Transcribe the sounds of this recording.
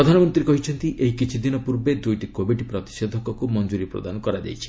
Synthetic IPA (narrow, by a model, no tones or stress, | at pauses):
ɾɔd̪ʱanɔmɔnt̪ɾikɔɦit͡ʃʰɔnt̪iʔejkit͡ʃʰid̪inɔpuɾbed̪ujʈikobʱiɖpɾɔt̪i̥ʃed̪ʱɔkɔkumɔnd͡ʒuɾipɾo̰d̪anɔkɔɾad͡ʒa̰jt͡ʃʰi̥